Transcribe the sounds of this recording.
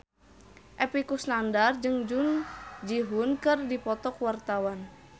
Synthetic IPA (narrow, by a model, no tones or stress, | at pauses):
ʔɛpikusnandard͡ʒɨŋd͡ʒund͡ʒiɦunkɨrdipɔt̪ɔkwart̪awan